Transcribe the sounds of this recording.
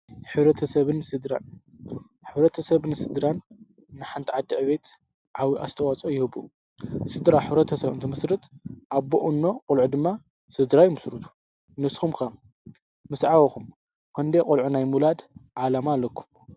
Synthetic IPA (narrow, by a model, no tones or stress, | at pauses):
ħɨβɾɐt̪ʰɐsɐβɨnsɨd̪ɾa̰n | ħɨβɾɐt̪ʰɐsɐβnɨsɨd̪ɾanː | ɨħant̪ʰiʕad̪ːiʕβe̞t̪ | ʕawiʔa̰st̪ʰɐwat͡sʼojɪhɨβṵ | sɨd̪ɾaħɨβɾɐt̪ʰɐsɐβɨ̰nt̪ʰimɨsɾɨt̪ʔaβboʔunːo̞qʼɔlʕud̪ɨmːa | sɨd̪ɾajmɨsɾɨt̪ʰu̥ | nɨsxumka | mɨsʕawɐkum | kʰɐnd̪ekʼolʕunajmulad̪ʕalamalːɐkʰːu̥m